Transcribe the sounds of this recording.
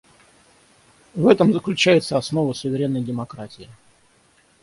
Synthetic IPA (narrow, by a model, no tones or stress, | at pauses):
vɛt̪əmzəklʲʉt͡ɕæjɪt̪səɐsno̞vəsʊvʲɪɾʲenːəjdʲɪmɐkɾatʲɪɪ